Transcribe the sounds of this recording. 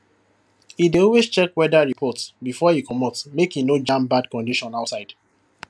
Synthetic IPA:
ideɔlwest͡ʃɛkwɛdaɹipʰɔtsbifɔikʰɔmɔtmekinod͡ʒãmbadkɔ̃ndiʃɔ̃naʊtsaɪd̥

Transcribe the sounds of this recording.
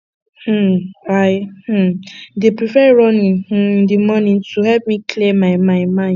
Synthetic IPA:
h̩ɹaɪh̩depɹifɛɹɔ̃nĩnh̩dimɔnĩntuhɛlp̚mikʰlemaɪmãɪmã

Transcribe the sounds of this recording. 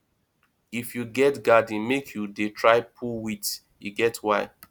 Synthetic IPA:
ifjuɡɛtɡadĩnmekʰjudetʰɹaɪpʰuwit | juɡɛtwaɪ

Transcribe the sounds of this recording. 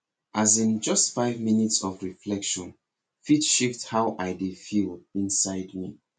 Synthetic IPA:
ʔazĩnd͡ʒʌstfaɪvminitsɔvɹiflɛkʃɔ̃n | fitʃifthaʊʔaɪdefilĩnsaɪdmi

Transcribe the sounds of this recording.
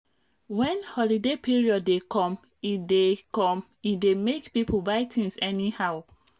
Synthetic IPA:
wɛ̃nhɔlidepʰiɹiɔdːekʰɔ̃m | idekɔ̃m | idemekpipʰobaɪtʰĩŋsɛnihaʊ

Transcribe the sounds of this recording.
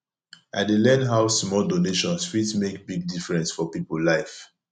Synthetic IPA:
ʔa̰ɪdelɛ̃nɦaʊsmɔldoneʃɔ̃nsfitmekbiɡ̚difɹɛ̃nsfɔpipəllaɪf

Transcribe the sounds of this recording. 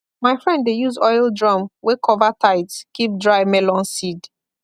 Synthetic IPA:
maɪfɹɛ̃nddejuzɔɪlˠdɹɔ̃mwekʰɔvatʰaɪtskip̚dɹaɪmɛlɔ̃nsid

